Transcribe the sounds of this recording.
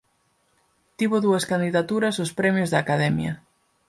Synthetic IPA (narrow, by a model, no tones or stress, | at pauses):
t̪iβʊðuɐskand̪iðat̪uɾɐsospɾɛmjozðaːkaðɛmjɐ̰